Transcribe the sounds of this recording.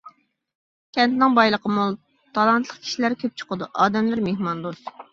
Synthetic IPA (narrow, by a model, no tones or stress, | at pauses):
kʲʰɛnt̪nɪŋbɑjlˠəqəmulˠ | t̪ʰɑlˠɑnt̪ʰlˠəq̚kʲʰi̥ʃilæɾkʲʰøp̚t͡ʃʰʊ̥qəd̪uʔɑːd̪ɛmlæɾmehmɑnd̪os